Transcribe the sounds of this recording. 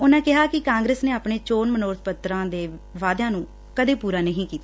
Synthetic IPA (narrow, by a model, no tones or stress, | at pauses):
ʊnãːkɪɦaːkɪkãːŋɡɾeːsneːaːpɳeːt͡ʃoːnmənoːɾt̪̚ʰpət̪ɾãːd̪eːʋaːd̪jãːnũː | kəd̪eːpuːɾaːnəɦĩːkiːt̪aː